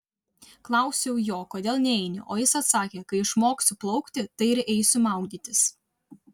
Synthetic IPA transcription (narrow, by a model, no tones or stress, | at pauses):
klˠɐˑʊsʲɛʊjoːkoːd̪ʲeːlˠnʲɛɛɪnʲɪ̰ʔoːjɪsɐt̪sɑːkʲeːkɐɪɪʃmoːksʊplˠɒʊkt̪ʲɪt̪ɐɪɪɾɛɪsʲʊmɑˑʊɡd̪ʲiːt̪ʲɪs